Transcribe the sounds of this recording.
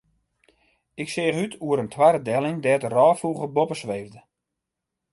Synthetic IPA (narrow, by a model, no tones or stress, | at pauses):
ɪkseːχytʰuəɾəntʰwaɾədɛlˠɪŋdɛːtərɔːfuːɣəbopəsʋejvdə